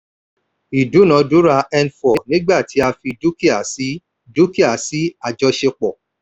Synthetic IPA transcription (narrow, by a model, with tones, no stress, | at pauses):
i˨du˨˦nã˨˦du˨˦ɾa˧ɛ˧nfɔ˨˦nĩ˦ɡ͡ba˦˨tʰi˨˦a˧fi˧du˦ki˦a˨si˦ | du˦ki˦a˨si˨˦a˨d͡ʒɔ˧ʃe˧k͡pɔ˨